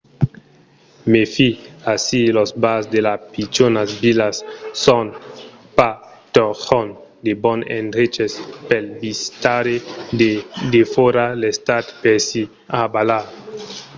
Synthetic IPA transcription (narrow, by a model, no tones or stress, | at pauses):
mefiasilosbasd̪elapit͡ʃonasbilasːɔnpa | t̪oxɔn | d̪ebɔnḛnd̪ɾet͡ʃespelbist̪aɾe | d̪efoɾalest̪at̪peɾsi | abalaɾ